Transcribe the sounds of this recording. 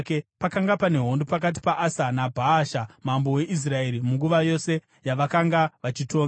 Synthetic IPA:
kepakaŋɡapane̞ɦo̞ndopak̬at̬i̥paʔasanabʱaːʃamambowe̞ʔis̬rae̞ɾimuŋɡuʋajo̞se | jaʋakaŋɡaʋat͡ʃitoːŋɡ

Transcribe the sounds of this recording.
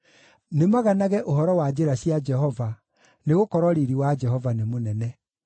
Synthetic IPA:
nemaɣanaɣɛʔoɦɔɾɔwad͡ʑeɾaɕjad͡ʒɛɦɔva | neɣokɔɾɔɾiɾiwad͡ʒɛɦɔvanemonɛnɛ

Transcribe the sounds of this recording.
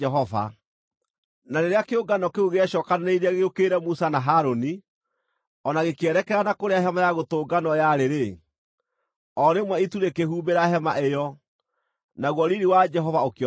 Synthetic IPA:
ɛɦɔva̰ | naneɾeakeoɡanɔkeuɣeɛɕɔkanneiɾeaɣeokeɾɛmusanaɦaɾoni | ɔnaɣekeɛɾɛkɛɾanakoɾeaɦɛmajaɣotoːɡanɔjaɾeɾe | ɔɾemwɛituɾekehuːmbeɾaɦɛmaʔejɔ | naɣwɔɾiɾiwad͡ʒɛɦɔvaok

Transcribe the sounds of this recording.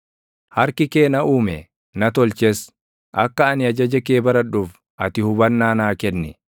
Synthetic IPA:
hɐɾkɪke̞ːnɐʔuːmɛ | nɐt̪ɔlt͡ʃɛs | ʔɐ̰kːɐɐnɪɐd͡ʒɐd͡ʒɐkeːbɐɾɐᶑʊf | ʔɐt̪ɪhʊbɐnːaːnaːkɛnːɪ

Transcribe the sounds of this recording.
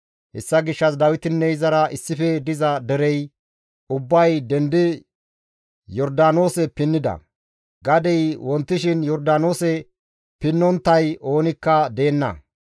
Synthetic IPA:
hɛsːɐɡɪʃːɐs̬d̪ɐwɪt̪ɪnːɛɪzɐɾɐɪsːɪfɛd̪ɪzɐd̪ɛɾɛj | ʊbːɐjd̪ɛnd̪ɪ | jɔɾd̪aːno̞ːsɛpɪnːɪd̪ɐ̰ | ɡɐd̪ɛjwɔnt̪ːɪʃɪnjɔɾd̪aːno̞ːsɛ | pɪnːɔnt̪ːɐjʔo̞ːnɪkːɐd̪e̞ːnːɐ̰

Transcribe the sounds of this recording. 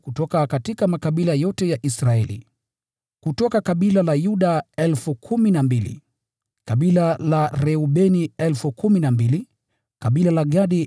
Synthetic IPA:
kutɔkakatikamakaɓilajɔtɛjaʔisɾaɛlḭ | kutɔkakaɓilalajuɗaɛlfukʰuminambilḭ | kaɓilalaɾɛuɓɛniɛlfukuminambili | kaɓilalaɠaɗi

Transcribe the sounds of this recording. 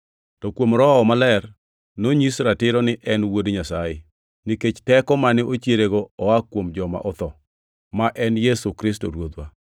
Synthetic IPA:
tɔkwomɾɔɔmalɛr | noɲisɾatɪɾɔnɪʔɛnwodɲasajɪ | niket͡ʃtɛkɔmanɪʔot͡ʃjeɾeɡoɔakwomd͡ʒɔma̰ʔɔt̪ɔ | maʔɛnjesukɾɪsto̰ɾwod̪wa

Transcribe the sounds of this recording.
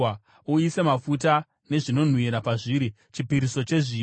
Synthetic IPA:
uise̞mafut̬a | ne̞ʐino̞n̤wiɾapaʐiɾi | t͡ʃipiɾiso̞t͡ʃe̞ʐi

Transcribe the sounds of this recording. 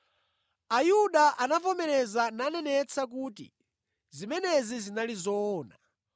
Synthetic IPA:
ajuɗaʔanafɔmɛɾɛzananɛnɛt͡sʰak̬uːtḭ | zimɛnɛzizinalizɔːna

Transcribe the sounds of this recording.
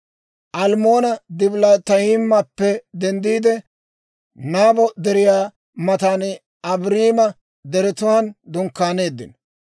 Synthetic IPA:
ʔɐlmo̞ːnɐd̪ɪblat̪ɐjɪmːɐpːɛd̪ɛnd̪iːd̪ɛ | naːbɔd̪ɛɾɪjaː | mɐt̪an | ɐbɾiːmɐ | d̪ɛɾɛt̪ʊwɐnd̪ʊŋkːaːne̞ːd̪ːɪ̰n

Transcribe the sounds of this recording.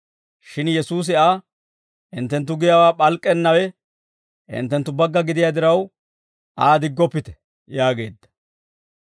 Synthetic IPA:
ʃɪnjɛsuːs̬ɪaː | ʔɪnt̪ːɛnt̪̬ːʊɡɪjawaːpʼɐlkʼːɛnːɐwɛ | ɪ̰nt̪ːɛnt̪ːʊbɐɡːɐɡɪd̪ɪjad̪ɪɾɐw | aːd̪ɪɡːɔpːɪt̪ɛ̥ | jaːɡe̞ːd̪ːɐ̥

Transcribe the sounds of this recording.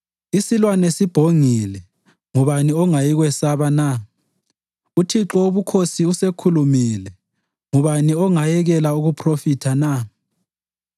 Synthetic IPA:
isilwanesib̥ʱoŋilɛ | ŋuβaniɔŋajiɣwɛsaβana | utʰiǁɔuβukʰosiusekʰulumilɛ | ŋuβaniɔŋajɛɣɛlauɣupʰrofitʰana

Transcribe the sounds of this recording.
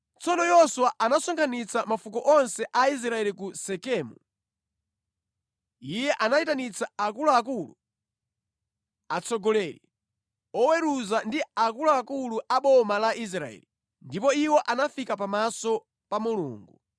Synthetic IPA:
t͡sɔnɔjɔsuwaʔanasɔŋkʰanit͡samafukɔʔɔnsɛʔais̬ɾaɛlikusɛkɛːmṵ | ijɛʔanaitanit͡sʰaakulɔakulu | at͡sɔɡɔlɛːɾḭ | ɔwɛɾuzandiak̬ulɔakuluʔaɓɔmalaʔis̬ɾaɛ̰li | ndipɔiwɔʔanafikapamasɔ | pamulṵːŋɡu

